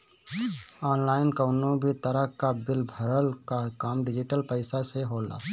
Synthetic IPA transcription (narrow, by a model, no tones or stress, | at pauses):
ɔːnlaːɪnkəʊnõbʱit̪əɾəɦkabɪlbʱəɾəlkakaːmɖɪd͡ʒɪʈəlpəɪsaseɦoːla̰ː